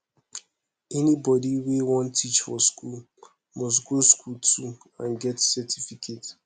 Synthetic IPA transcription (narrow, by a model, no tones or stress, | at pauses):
ɛnibɔdiwewɔ̃ntʰit͡ʃfɔskʰul | mɔs̬ɡoskʰultʰu | ã̰nɡɛtsɛtifikʰet